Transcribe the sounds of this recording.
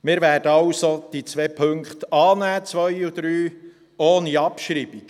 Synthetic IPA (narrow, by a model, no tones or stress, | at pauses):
mɪːɾvæːɾd̥əɑʊsod̥it͡sʋɛːpʰɵŋkχt̪ɑːnæːt͡sʋœjud̥̪ɾyː | oːniɑpʃɾiːb̥ik